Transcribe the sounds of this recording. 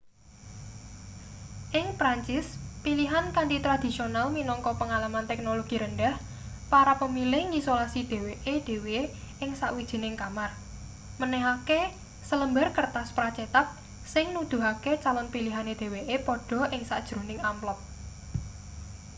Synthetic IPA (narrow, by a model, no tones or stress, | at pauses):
ʔɪŋpɾaɲt͡ʃɪspiliɦankantit̪ɾad̪̥i̤sionalminɔŋkɔpəŋalamant̪ɛk̚noloɡ̥iɾənɖɛh | paɾapəmilɪhŋisolasid̪̥e̤weʔed̪̥e̤weɪŋsaʔwid̥ʒ̥i̤nɪŋkamar | mənɛɦake | sələmbərkərt̪aspɾat͡ʃet̪ap̚ | sɪŋnud̪̥ṳɦaket͡ʃalɔnpiliɦaned̥e̤weʔepɔɖ̥ɔ̤ʔɪŋsaʔd̥ʒ̥ɾonɪŋamplɔp̚